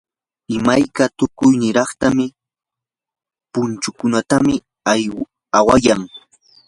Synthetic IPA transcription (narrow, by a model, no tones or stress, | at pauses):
ɪmajkat̪ʊkʊjnɪɾɑχt̪amɪ | pʊnt͡ʃʊkʊnat̪amɪ | a | awajaŋ